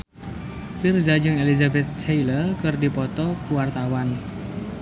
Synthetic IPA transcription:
firzad͡ʒɨŋelizabɛt̪̚t͡ʃejlərkɨrdipɔt̪ɔkuwart̪awan

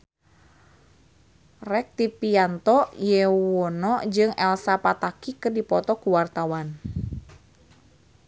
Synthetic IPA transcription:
rɛk̚t̪ipiant̪ɔjewɔnɔd͡ʒɨŋɛlsapat̪akikɨrdipɔt̪ɔkuwart̪awan

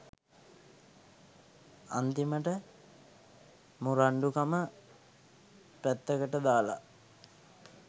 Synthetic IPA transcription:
a̰nt̪iməʈə | muɾaɳɖukamə | pæt̪ːəkəʈəd̪aːla̰

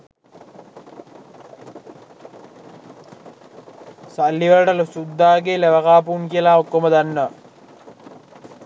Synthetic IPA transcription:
salːiʋələʈəlusud̪ːaːɡeleʋəkaːpuunkiəlaokːoməd̪anːəʋa

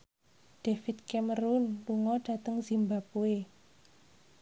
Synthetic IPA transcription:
ɖ̥efit̪̚kɛməɾunluŋɔɖ̥ä̤t̪əŋzimbapue

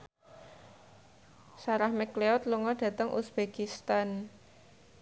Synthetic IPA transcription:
saɾahmɛkleɔt̪luŋɔɖ̥ä̤t̪əŋʔṵsb̥ekist̪an

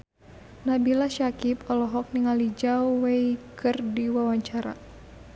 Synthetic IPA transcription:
nabilaʃakipɔlɔɦɔk̚niŋalid͡ʒawweikɨrdiwawaɲt͡ʃaɾa̰

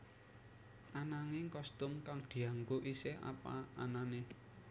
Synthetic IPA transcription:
ʔanaŋɪŋkɔst̪ʊmkaŋd̪̥i̤aŋɡoʔiseha̰pa̰anane

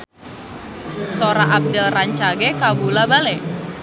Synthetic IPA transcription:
soɾaʔab̚dɪlraɲt͡ʃaɡekabulabale

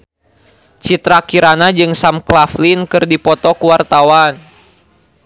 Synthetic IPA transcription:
t͡ʃit̪ɾakiɾanad͡ʒɨŋsamklaflinkɨrdipɔt̪ɔkuwart̪awan

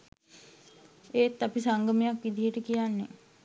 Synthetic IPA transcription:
eːt̪ːapisaŋɡəmejakʋid̪ʱiɦəʈəkijanːḛ

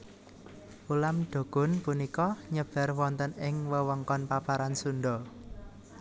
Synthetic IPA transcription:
ulamɖ̥o̤ɡ̥ɔ̤npunikɔɲəb̥a̤rwɔnt̪ənɪŋwəwəŋkɔnpapaɾansunɖ̪ɔ

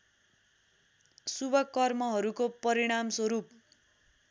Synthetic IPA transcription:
subʱʌkʌrmʌɦʌɾukopʌɾiɽ̃amswʌɾup̚

